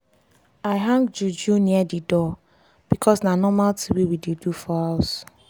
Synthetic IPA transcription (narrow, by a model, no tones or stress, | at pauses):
aɪɦãŋɡd͡ʒud͡ʒuniadidɔ | b̥ikʰɔsnanɔmaltʰiwiwidedufɔaʊs